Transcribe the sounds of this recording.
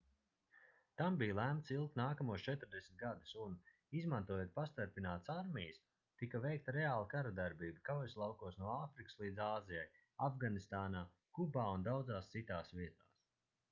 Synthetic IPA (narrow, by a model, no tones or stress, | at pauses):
t̪ambijlˠæmt̪silˠkt̪naːkamuɔst͡ʃɛt̪ɾd̪esʲmʲt̪̚ɡad̪u̥sun | izmant̪uɔjuːt̪̚past̪aɾpinaːt̪saɾmʲijəs | t̪ikavɛjk̚t̪ɾɛaːlˠakaɾad̪aɾbiːbikawɔjslˠawkuɔsnuɔaːfɾikɨ̥slˠiːd̪zaːzijaj | avɡanist̪aːnaː | kubaːund̪awd̪zaːst̪sit̪aːsʋiɛt̪aːs